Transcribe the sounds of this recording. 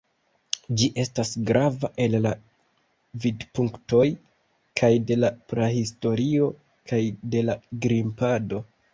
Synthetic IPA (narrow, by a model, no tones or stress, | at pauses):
d͡ʒiʔe̞stasɡɾavaʔe̞lla | vidpuŋkto̞j | kʰajde̞lapɾehisto̞ɾio̞ | kʰajde̞laɡɾimpado̞